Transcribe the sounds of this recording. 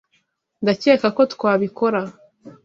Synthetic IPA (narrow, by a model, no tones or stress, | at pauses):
ndace̞ːkako̞tkwaːβiko̞ɾa